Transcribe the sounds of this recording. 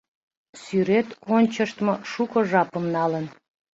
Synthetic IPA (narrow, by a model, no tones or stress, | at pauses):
syɾet̪onʲt͡ɕəʃt̪moʃukəʒɑpəmnɑlən